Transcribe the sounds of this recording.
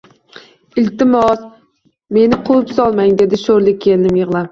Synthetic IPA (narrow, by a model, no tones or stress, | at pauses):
ɪlt̪ɪmɒs | me̞nɪqʰʊɪpsɒlˠmaŋd̪e̞d̪ɪʃoɾlɪkʲʰːe̞lɪnɪmjɨʁlˠam